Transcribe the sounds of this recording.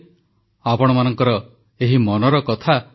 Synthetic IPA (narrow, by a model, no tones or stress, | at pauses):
apɔɽ̃ɔmanɔŋkɔɾɔ | eɦimɔnɔɾɔkɔt̪ʰa